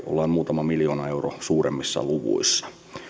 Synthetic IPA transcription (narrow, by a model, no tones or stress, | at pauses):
ʔo̰lːɑːmmuːt̪ɑmɑmiljoːnɑeurosuːremːisːɑ̰luʋṵisːɑ̥